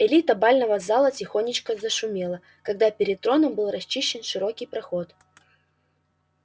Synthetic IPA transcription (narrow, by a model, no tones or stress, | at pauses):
ɪlʲit̪əbalʲnəvəzalˠətʲɪxo̞nʲɪt͡ɕkəzəʂʊmʲelˠə | kɐɡ̚d̪apʲɪɾʲɪt̪̚t̪ɾo̞nəmbɨlˠrɐsʲt͡ɕːiɕːɪnʂɨɾo̞kʲijpɾɐxo̞t̪